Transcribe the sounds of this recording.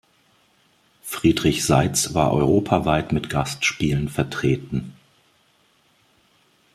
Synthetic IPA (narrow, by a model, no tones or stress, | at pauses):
fʁ̥iːdʁɪçz̥aɪt͡sva̰ːɐʔɔʏʁoːpʰavaɪtmɪtɡ̥astʃpiːlənfɛɐtʁ̥eːtn̩